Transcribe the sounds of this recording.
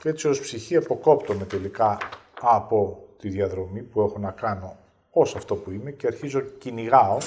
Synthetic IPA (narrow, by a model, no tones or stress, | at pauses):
ceet͡ssio̞spsiçiɐpo̞ko̞pt̪o̞me̞t̪e̞likɐɐpo̞t̪iðiɐðɾo̞mipue̞xo̞nɐkɐno̞ | osɐft̪o̞puime̞ceɐɾçizo̞ciniɣɐo